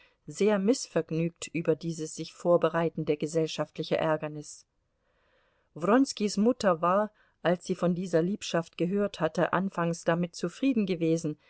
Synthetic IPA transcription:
zeːɐmɪsfɛɐɡnyːk̚tʰʔyːbɐdiːzəsz̥ɪçfoːɐbəʁaɪtn̩deːɐɡəzɛlʃaftlɪçəʔɛɐɡɐnɪs | vʁɔnskismʊtɐvaːɐ | ʔalsz̥iːfɔndiːzɐliːpʃaft̚ɡ̥əɦøːɐthatəʔa̰nfaŋsd̥amɪt̚t͡sufʁ̥iːdn̩ɡəveːzn̩

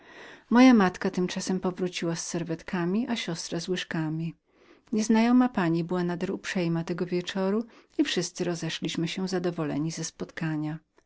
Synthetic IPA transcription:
mɔjamat̪kat̪ɘmt͡ʂasɛmpɔvɾut͡ɕiwasːɛɾvɛt̪kamʲiʔaɕɔst̪ɾazwɘʂkamʲi | ɲɛznajɔmapaɲibɘwanad̪ɛɾupʂɛjmat̪ɛɡɔvʲjɛt͡ʂɔɾuifʂɘst̪sɘɾɔzɛʂlʲiɕmɘɕɛzad̪ɔvɔlɛ̰ɲizɛspɔt̪kaɲa

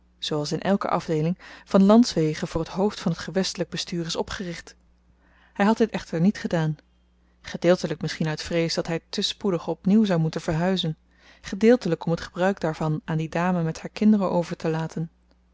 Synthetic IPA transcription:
z̥owɑlˠsɪnʔɛ̰lˠkə̰ʔɑvdejlɪŋv̥ɑnlɑntsʋejχənvʊːɹətɦowftfɑnɦətχəʋɛstələɡ̚bəstyːrɪsɔpχərɪχt | hɛjɦɑt̚dɪtɛχtəɹnitχədaːn | χədɪːlˠtələk̚mɪsχinœɥtfrejsdɑtɦɛjtəspudəχɔpniwzɑwmutənvəɹɦœɥzən | χədɪːlˠtələkɔmətχəbrœɥkdaːɹv̥ɑnaːndidaːməmɛthaːɹkɪndərəʔowvəɹtəlaːtʰən

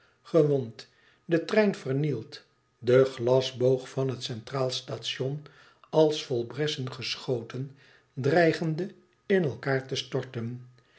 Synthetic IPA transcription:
χəʋɔnt | dətrɛjnvərnilˠt | dəχlɑzbowχfɑnɦətsɛntraːlˠstaːtʃɔn | ɑlˠsfɔlˠbrɛsənχəsχowtən | drɛjχəndə | ɪnɛlˠkaːɹtəstɔɹtən

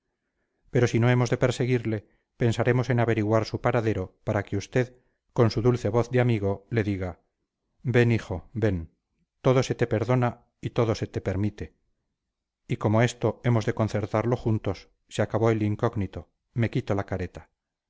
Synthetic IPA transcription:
pe̞ɾo̞sino̞e̞mo̞zðe̞pe̞ɾse̞ɣ̞iɾle̞ | pensaɾe̞mo̞se̞naβe̞ɾiɣwaɾsupaɾaðe̞ɾo̞paɾakeust̪e̞ð | ko̞nsuðulθe̞βo̞θd̪eamiɣ̞o̞le̞ðiɣa | be̞nixo̞be̞n | t̪o̞ðo̞se̞t̪e̞pe̞ɾðo̞na | it̪o̞ðo̞se̞t̪e̞pe̞ɾmit̪e̞ | iko̞mo̞e̞st̪o̞e̞mo̞zðe̞ko̞nθe̞ɾt̪aɾlo̞xunt̪o̞s | seakaβo̞eliŋkoɣnit̪o̞ | me̞kit̪o̞lakaɾe̞t̪ḁ

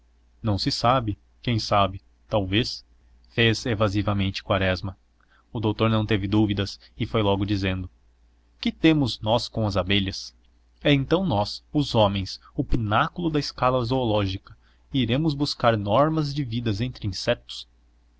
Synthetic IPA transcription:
nɐ̃w̃sɪsabɪ | kẽj̃sabɪ | t̪awves | fezevazivɐmẽnt͡ʃɪ̥kwaɾɛzmɐ | ʊd̪owt̪oɾnɐ̃w̃t̪evɪd̪uvid̪ɐs | ɪfojlɔɡʊd͡ʒizẽnd̪ʊ | kɪt̪ẽmʊznɔskõɐzabeʎɐs | ɛẽnt̪ɐ̃w̃nɔsʊzɔ̃mẽj̃s | ʊpinakʊlʊd̪ɐɪskalɐoɾzoolɔʒikɐ̥ | iɾẽmʊzbuskaɾnɔɾmɐzd͡ʒɪvid̪ɐzẽnt̪ɾɪĩsɛt̪ʊ̥s

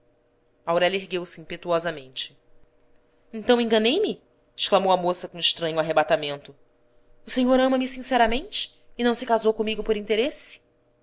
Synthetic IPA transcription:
awɾɛljɐeɦɡewsɪĩmpet̪uɔzɐmẽnt͡ʃɪ̥ | ẽnt̪ɐ̃w̃ẽɡɐnejmɪ | ɪʃklamowɐmosɐkõɪʃt̪ɾɐ̃ɲʊaɦebat̪amẽnt̪ʊ | ʊseɲoɾɐ̃mɐmɪsĩsɛɾɐmẽnt͡ʃɪ̥ːnɐ̃w̃sɪkazowkõmiɡʊpoɾĩnt̪eɾesɪ̥

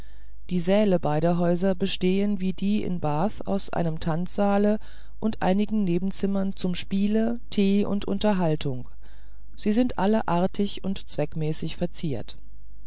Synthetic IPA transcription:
d̥iːzɛːləbaɪɾɐɦɔʏzɐbəʃteːənviːdiːɪ̰nbaːθa̰ʊsʔa̰ɪnəmtʰant͡sz̥aːlə | ʔʊntʔa̰ɪnɪɡŋ̩neːbm̩t͡sɪmɐnt͡sʊmʃpiːlə | tʰeːʔʊ̰ntʔʊ̰ntɐɦaltʰʊŋ | z̥iːzɪntʔaləʔaɐtʰɪçʊntt͡sv̥ɛkmɛːsɪçfɛɐt͡siːɐt

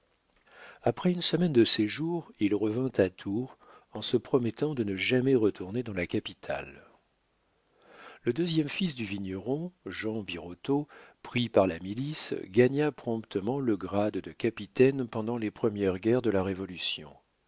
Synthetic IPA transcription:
apχɛynsəmɛnd̪əseʒuʁilʁəvɛ̃t̪ʰat̪ʰuʁ | ɑ̃səpχɔmɛt̪ɑ̃d̪ənəʒamɛʁət̪ʰuʁned̪ɑ̃lakapit̪ʰa̰l | ləd̪øzjɛmfisd̪yviɲɔʁɔ̃ʒɑ̃biʁot̪opχipaʁlamilisɡaɲapχɔ̃pt̪ʰəmɑ̃ləɡʁad̪d̪əkapit̪ɛnpɑ̃d̪ɑ̃lepχəmjɛʁɡʲɛʁd̪əlaʁevɔlysjɔ̰̃

